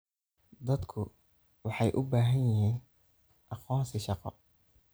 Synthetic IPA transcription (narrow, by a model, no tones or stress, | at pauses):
d̪ɐd̪kʰʊ | wɑħɑjʔʊbaːɦɐjjɪɦiːn | ʔɑqɔːnsɪʃɑqɔ̰